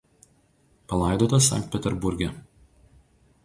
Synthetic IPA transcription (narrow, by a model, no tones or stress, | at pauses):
pɐlˠɑˑɪd̪oːt̪ɐsɐ̰ŋʲk̚t̪̚ʲpʲɛt̪ʲɛɾbʊɾʲɡʲɛ